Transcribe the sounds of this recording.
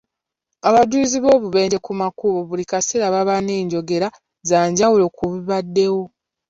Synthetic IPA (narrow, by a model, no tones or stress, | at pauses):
aβaduziβo̞ːβuβe̞ːɲɟe̞kumakuβoβulikasiɾaβaβaneːɲɟo̞ɡe̞ɾa | zaːɲɟawulo̞ːkuβiβadːe̞wo̞